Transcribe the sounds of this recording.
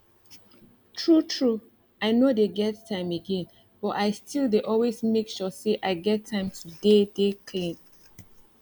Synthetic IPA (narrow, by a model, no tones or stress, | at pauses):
tʰɹutʰɹu | aɪnodeɡɛttʰãɪ̃məɡɛ̃n | b̥ɔtaɪstʰildeʔɔlwesmekʃɔseʔaɪɡɛtʰːãɪ̃mtʰudedekʰlẽn